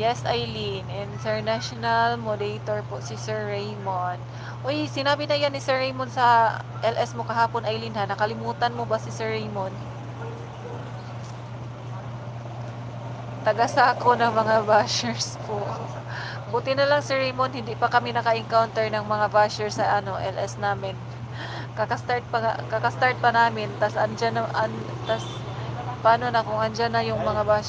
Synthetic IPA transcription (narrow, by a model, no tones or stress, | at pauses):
jɛsʔajlinʔɪnt̪ɛɹnaʃonalmod̪ejt̪oɹposɪsɛɹːejmon | ʔojsɪnaːbɪnɐjanːɪsɛɹejmonsɐ | ʔɛlʔɛsmo̞kɐɦaːponʔajlinhanɐkɐlɪmuːt̪ɐnmobɐsɪsɛɹejmon | t̪ɐɡasaːkonɐŋmɐŋabaʃɛɹspoʔ | bʊt̪ɪnɐlɐŋsɪɹejmonhɪnd̪ɪpɐkɐmɪnɐkɐʔɪŋkawnt̪ɛɹnɐŋmɐŋavaʃɛɹsɐʔɐno̞ʔɛlʔɛsnaːmɪn | kɐkɐst̪aɹt̪̚pɐŋakɐkɐst̪aɹt̪̚pɐnaːmɪnt̪ɐsʔɐnd͡ʒanɐʔɐn | t̪as | paːno̞nɐkʊŋʔɐnd͡ʒanːɐjʊŋmɐŋaba